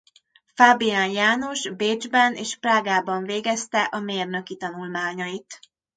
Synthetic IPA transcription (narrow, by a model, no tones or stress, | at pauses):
faːbijaːnjaːno̞ʒbeːd͡ʒbɛneːʃpraːɡaːbɒɱveːɡɛst̪ɛʔɒmeːrnø̞kit̪ɒnulmaːɲɒit̪